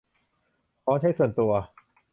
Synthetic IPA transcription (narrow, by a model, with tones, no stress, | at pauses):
kʰɔː˦˥nt͡ɕʰa˥˩jsu˨˩ənt̪u˧ɐ